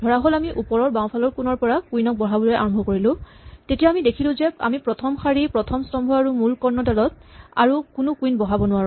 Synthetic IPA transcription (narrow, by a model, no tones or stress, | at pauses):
d̥ʱɔɹaɦolamiʔupɔɹɔɹbãw̃pʰalɔɹkunɔɹpɔɹakujnɔk̚bɔɦabɔljɛʔa̰ɹɔmbʱɔkoɹilʊ̃ | tetijaːmidekʰilʊ̃zɛa̰mipɹɔtʰɔmxaɹipɹɔtʰɔmstɔmbʱɔaɹumulkɔɹnːɔtalɔt̚a̰ɹukʊnʊkujnbɔɦabɔnʊwaɹũ